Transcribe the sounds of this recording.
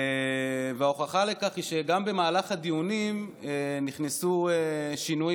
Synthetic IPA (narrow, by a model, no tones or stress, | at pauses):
veaoχaχale̞kaχiʃeɡambe̞maːlaχhad̪iunimeniχnesueʃinu